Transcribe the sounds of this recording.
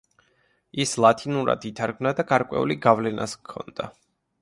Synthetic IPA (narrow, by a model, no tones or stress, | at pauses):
islˠat̪ʰinuɾa̰d̪it̪ʰaɾɡmnad̪aɡaɾkʼwɛ̰ṵliɡavlɛnʔa̰skʰːɔ̰nd̪̥a